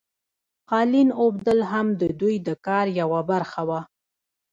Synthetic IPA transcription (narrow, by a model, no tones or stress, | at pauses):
qɑlinob̚d̪əlɦamd̪əd̪ujd̪əkɑɾjawabaɾxawa